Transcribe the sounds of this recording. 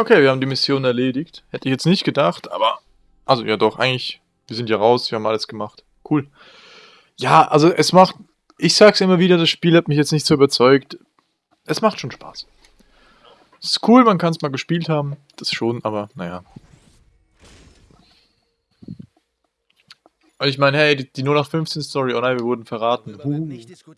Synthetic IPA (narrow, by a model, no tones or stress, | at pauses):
ʔokʰeːviɐhaːbm̩diːmɪsjoːnɛɐleːdɪçthɛtəɪçjɛt͡stnɪçt̚ɡ̥ədaχtʔa̰ːbɐ | ʔalzojaːdɔχʔa̰ɪɡŋ̩lɪç | viːɐzɪntjaːʁaʊsv̥iːɐhaːmʔa̰ləsɡ̥əmaχt | kʰuːl | jaːʔalzoʔɛsmaχt | ʔɪçz̥aːksʔɪmɐviːɾɐdasʃpiːlhatmɪçjɛt͡stnɪçtz̥oːyːbɐt͡sɔʏkt | ʔɛsmaχtʃoːnʃpa̰ːs | sɪ̥stkʰuːlmankʰansmaːlɡəʃpiːlthaːbm̩d̥asʃoːnʔa̰ːbɐnaja̰ː | ʔʊɪçmaɪnəhɛɪdid̥iːnʊːnaχtfʏnft͡seɪnstʰɔʁionaɪviɐvʊɐdn̩fɛɐʁaːtn̩hu